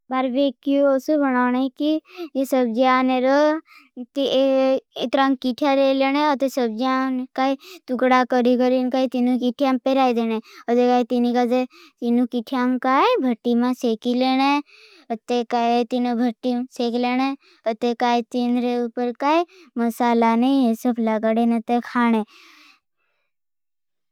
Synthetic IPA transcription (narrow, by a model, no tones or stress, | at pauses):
baɾbekjuosubʱənaːneikijesəbd͡ʒiaːneɾo | t̪i | et̪ɾãŋkiʈʰjaɾeleːñeət̪esəb̚d͡ʒankaːit̪ukɽakəɾikəɾinkaːit̪inũkiʈʰijampeɾaːid̪eːñeət̪ekaːit̪inikat̪et̪inũkiʈʰjamkaːjbʱəʈːimãsekileñe | ət̪ːekat̪inubʱəʈːisekleɽ̃e | ət̪ekaːjt̪inɾeupəɾkaːiməsaːlanəĩesəpʰlaɡaɽenət̪ekʰaːɽ̃e